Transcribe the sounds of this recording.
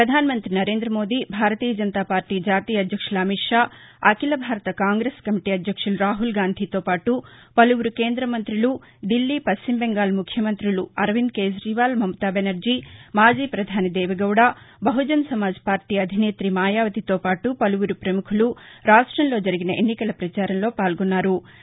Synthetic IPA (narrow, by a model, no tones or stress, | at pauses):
pɾɐd̪ʱaːnɐmɐnt̪ɾinɐɾe̞ːnd̪ɾɐmo̞ːd̪ibʱaːɾɐt̪iːjɐd͡ʒɐnt̪aːpaːɾʈiːd͡ʒaːt̪iːjɐd̪ʱjɐkʂulɐmiʈʂaːɐkilɐbʱaːɾɐt̪ɐkaːŋɡɾeːskɐmiʈiɐd̪ʱjɐkʂuluɾaːɦulɡaːnd̪ʱit̪o̞ːpaːʈupɐluʋuɾuke̞ːnd̪ɾɐmɐnt̪ɾilu | d̪ilːipɐst͡ʃimbeŋɡaːlmukʰjɐmɐnt̪ɾiluɐɾʋind̪ke̞ːd͡ʒɾiʋaːlmɐmɐt̪aːbenɐɾd͡ʒimaːd͡ʒiːpɾɐd̪ʱaːnɐd̪ɛːʋɐɡɐwɽaː | bɐɦud͡ʒɐnsɐmaːd͡ʒɐ̥paːɾʈiːɐd̪ʱine̞ːt̪ɾimaːjaːʋɐt̪it̪o̞ːpaːʈupɐluʋuɾupɾɐmukʰuluɾaːʂʈɾɐnlo̞ːd͡ʒɐɾiɡinɐʔenːikɐlɐpɾɐt͡ʃaːɾɐnlo̞ːpaːlɡɔnːaːɾu